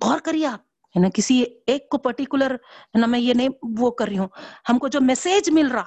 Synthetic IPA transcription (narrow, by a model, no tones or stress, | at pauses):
ɔːɾkɐɾieaːp̚ | ɦɛnakɪsieːkːopɐɾʈikjʊləɾɦɛnamɛ̃ːjenɐɦĩʋokɐɾːiɦũːhɐmkod͡ʒoːmɛseːd͡ʒmɪlɾa